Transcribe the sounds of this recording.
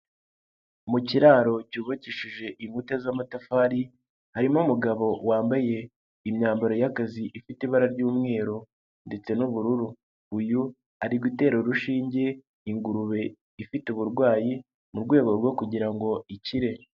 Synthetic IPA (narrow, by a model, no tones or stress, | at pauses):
muciɾaːɾo̞cuːβaciʃiʒe̞ʔiŋhutezamatafaːɾi | haɾimomuɡaβo̞waːmbaje̞ | imɲaːmbaɾojakaziʔifitiβaɾaɾɟuːmŋe̞ːɾo | nde̞t͡se̞nuβuɾuɾu | uju | aɾiɡwite̞ːɾoɾuʃiːɲɟe̞ | iŋɡuɾuβe̞ | ifituβuɾɡwaːji | muɾɡwe̞ːɡo̞ɾɡo̞kuɟiɾaŋɡo̞iciɾe̞